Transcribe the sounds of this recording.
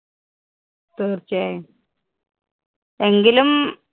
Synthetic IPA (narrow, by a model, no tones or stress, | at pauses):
t̪eːrt͡ɕːaːj | eŋɡilum